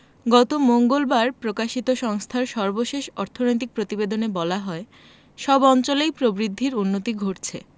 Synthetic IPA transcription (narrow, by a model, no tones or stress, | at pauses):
ɡɔt̪omoŋɡolbaɾpɾokaʃit̪oʃɔŋst̪ʰaɾʃɔɾboʃeʃɔɾt̪ʰonojt̪̬ik̚pɾot̪ibed̪onebɔlaɦɔe | ʃɔbɔnt͡ɕolejpɾobɾid̪ʱːiɾunːot̪iɡʱoʈt͡ɕʰe